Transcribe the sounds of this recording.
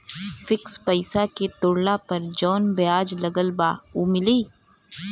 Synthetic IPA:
fɪkspɐɪsaket̪ʊɽlapɐɾd͡ʒɔːnbjaːd͡ʒlɐɡəlbaːuːmɪliː

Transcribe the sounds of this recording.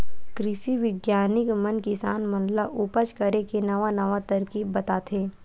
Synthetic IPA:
kɾɪʃiʋɪɡjaːnɪkmɐnkɪsaːnmɐnlaʔʊpət͡ʃkɐɾekenɐʋanɐʋat̪ɐɾkiːbɐt̪aːt̪ʰeː

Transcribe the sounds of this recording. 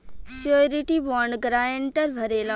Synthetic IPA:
soːɾiʈibɔːɳɖɡɾaːjeɳʈəɾbʱɐɾeːla

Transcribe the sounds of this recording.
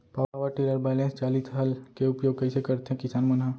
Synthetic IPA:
paʋəɾʈiləɾbɛːlẽːnst͡ʃaːlit̪ɦɐlkeʊpjoːɡ̚kɐɪsekɐɾt̪eɦɛ̃kɪsaːnmɐnɦaː

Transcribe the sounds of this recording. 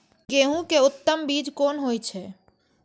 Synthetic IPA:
keɦũkeut̪ːəmbid͡ʒkonɦojt͡ʃʰɛ

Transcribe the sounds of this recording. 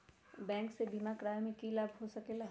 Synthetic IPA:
bɛ̃ːŋksebʱimakɾaːjmẽkilabʱɦosɐkela

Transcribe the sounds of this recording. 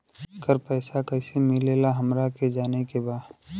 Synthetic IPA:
kəɾpɛːsakɐːsemɪleːlaɦɐmɾaked͡ʒaːnekebaːd

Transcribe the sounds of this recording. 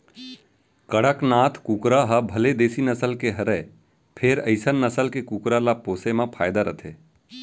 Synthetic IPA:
kəɽəknaːt̪ʰkukɾaɦəbʱəled̪eːsinəsəlkeɦəɾɛ | pʰeɾəɪsənːəsəlkekuːkɾalapoːsemãpʰaːjd̪aɾət̪ʰe

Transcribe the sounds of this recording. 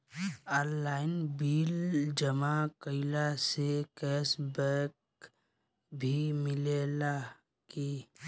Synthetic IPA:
aːnlaːɪnbiːld͡ʒəmakəɪlasekɛːsbəɾk | bʱimɪlela | ki

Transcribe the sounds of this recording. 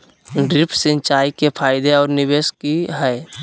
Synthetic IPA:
ɖɾɪpʰsɪ̃nt͡ʃaːikepʰaːɪd̪eɔːɾnɪbeːskiɦɛː

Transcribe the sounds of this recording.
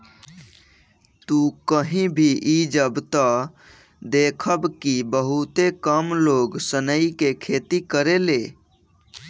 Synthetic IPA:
t̪ukəɦĩbʱiʔid͡ʒəbt̪ɔ | d̪ekʰəbkibəɦut̪ekəmloɡsənəikekʰet̪ikəɾele

